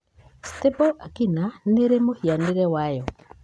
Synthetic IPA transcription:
st̪ɪbɔakinaneɾemohjanɪɾewajɔ

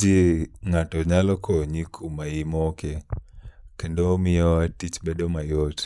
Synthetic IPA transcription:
d͡ʒiŋatɔɲalɔkʰoɲikʰumaimɔke | kendomɪjɔatit͡ʃbedomajot

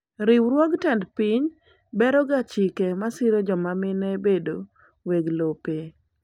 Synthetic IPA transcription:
ɾɪwɾwɔɡtandpiɲ | bɛɾɔɡat͡ʃɪkemasɪɾod͡ʒɔmamɪnɛbedo | weɡlope

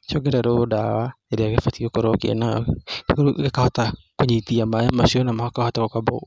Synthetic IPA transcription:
ʃɔɡɛɾaɾodawaeɾeaɣefatiokoɾɔkḛḛna̰ekoɾuɡekahɔta | koɲitiamaemaʃiɔnamahɔkahɔtaɣokabɔ̰

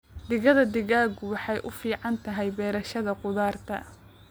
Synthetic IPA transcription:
d̪ɪɣɐðɐd̪ɪɣaːɡʊwɑħɑjʔʊfiːʕɑnt̪ʰɐɦɛjbɛːɾɐʃɐðɐqʊðaːrt̪ʰɐ̰

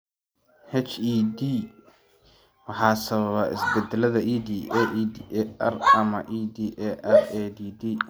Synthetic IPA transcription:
hɛt͡ʃiːd̪i | wɑħɑːsɐβɐβɐɪ̰sbɛd̪ɛlɐðɐʔiːd̪iːʔɛd̪ʔɐrɐmɐʔiːd̪iːʔɛʔɐrɛːd̪iːd̪iː

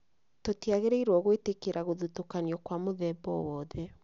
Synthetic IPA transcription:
totiaɣeɾeiɾwɔɣwetekeɾʔaɣoðutokaniɔkwamoðɛbɔwɔːðɛ

